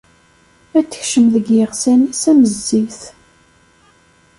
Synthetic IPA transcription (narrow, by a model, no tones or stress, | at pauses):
æt͡sːə̥çʃəmðəɡjəʁsænisæməzːiθ